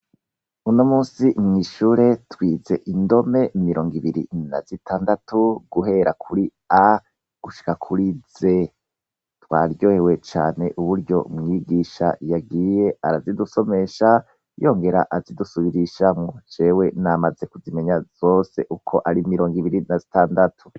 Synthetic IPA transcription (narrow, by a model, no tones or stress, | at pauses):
unomuːsimŋiːʃuːɾe̞twiːze̞ʔindo̞me̞miɾo̞ːŋɡiβiɾḭna̰zitʰaːndatuɡuɦe̞ɾakʰuɾi | a | ɡ̥uʃi̥kakʰuɾiz̥e̞ | twaːɾjo̞ːhewe̞t͡ʃa̰ːne̞ʔuβuɾɟo̞̰mŋiːɡiːʃa̰jaɡiːje̞aɾaziduso̞me̞ʃa | jo̞ːŋɡe̞ɾa̰ʔazidusuβiɾiʃaŋɡod͡ʒe̞ːwe̞namaze̞kuzime̞ɲaz̥o̞ːse̞̰ʔukʰo̞ʔaɾimiɾo̞ːŋɡiβiɾinazitaːndatʰu̥